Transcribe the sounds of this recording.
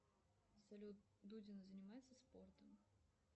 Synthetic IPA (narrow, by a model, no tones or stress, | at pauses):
sɐlʲu | d̪udʲɪnəzənʲɪmajɪt̪səspo̞rt̪əm